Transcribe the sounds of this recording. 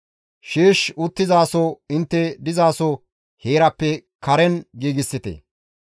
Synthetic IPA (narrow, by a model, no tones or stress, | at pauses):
ʃeːʃʊt̪ːɪzaːsɔɪnt̪ːɛd̪ɪzaːsɔ | heːɾɐpːɛkʰɐɾɛnɡiːɡɪsːɪt̪ḛ